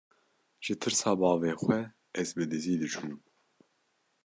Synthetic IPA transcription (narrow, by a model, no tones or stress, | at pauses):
ʒ̥ɨt̪ʰɨɾsɑːbɑːveːxwɛ | ɛzbɨd̪ɨziːd̪ɨt͡ʃʰum